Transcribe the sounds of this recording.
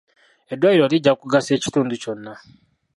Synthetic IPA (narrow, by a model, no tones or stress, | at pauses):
edwajiɾo̞liɟːakuɡase̞ːci̥tuːnduco̞nːa